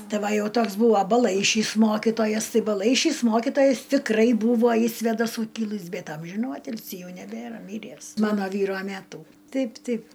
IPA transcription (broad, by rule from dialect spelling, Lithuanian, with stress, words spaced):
ˈtʲɪ ˈʋɐ ˈjɛʊ ˈtoːks ˈbuːʋɐ bɐˈlˠɐɪʃʲiːs ˈmoːkʲɪtoːjɛs ˈtɐɪ bɐˈlˠɐɪʃʲiːs ˈmoːkʲɪtoːjɛs tʲɪkˈrɐɪ ˈbuːʋoː ɪʃ sʲʋʲeːdɐˈsuː ˈkʲɪlˠɨs ˈbʲɛt ˈɐmʲʒʲɪnuː ˈɑːtʲɪlʲsʲiː ˈjɛʊ nʲɛˈbʲeːrɐ ˈmʲiːrʲæːs ˈmɑːnoː ˈʋʲiːroː ˈmʲæːtuː ˈtʲɛɪp ˈtʲɛɪp